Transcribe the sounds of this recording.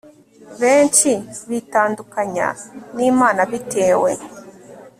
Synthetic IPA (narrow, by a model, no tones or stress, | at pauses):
βeːnt͡ʃiβitaːndukaɲa̰nimaːnaβitʰeːwḛ